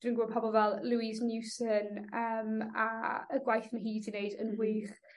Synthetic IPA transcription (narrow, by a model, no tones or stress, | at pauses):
nənɡwɔːpʰɔbɔlˠvɛlˠluɪznjusənəːmaəɡwajθnɦiːdɪneɨdənwiːχ